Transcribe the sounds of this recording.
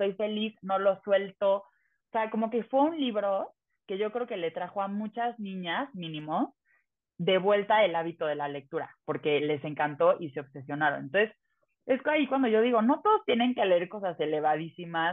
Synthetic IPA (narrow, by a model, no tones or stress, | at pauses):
so̞jfe̞lisno̞lo̞swe̞lt̪o̞ | oseako̞mo̞ke̞fwe̞unliβɾo̞ | ke̞ʝo̞kɾeoke̞le̞t̪ɾaxo̞amũt͡ʃaznĩɲazmĩnĩmo̞s | ðe̞βwe̞lt̪ae̞laβit̪o̞ð̞e̞lale̞k̚t̪uɾa̰po̞ɾke̞le̞se̞ŋkant̪o̞ʔise̞o̞βse̞sjo̞naɾonent̪onses | e̞skaikwand̪o̞ʝo̞ðiɣo̞no̞t̪o̞ðost̪je̞nẽ̞ŋke̞le̞eɾko̞sase̞le̞βaðisimas